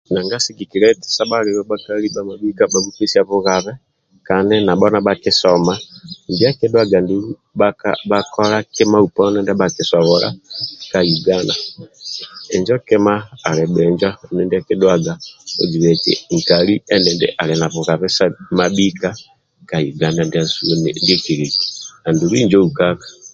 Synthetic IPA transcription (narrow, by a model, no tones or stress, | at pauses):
naŋɡasiɡikiɾɛtsabaɾiɾɔbakalibamabikabaβutesiaβuɣaβɛ | kanɛnaɓɔnaɓakɪsɔmandiakɛdwaɡandi | baabakɔɾakɛmaupɔnɛndɛɓakisɔβɔla̰kajuɡana | ɛɲd͡ʒɔkɛmaːɾɛɓɛɲd͡ʒɔɛnɛndiakidwaɡaod͡ʒiβɛkḭŋkaɾiɛndɛndɛ̰ʔalɛnaβuɣaβɛsamaɓika | kajuɡanandiasundekiɾekianduɾiɲd͡ʒɔukakḁ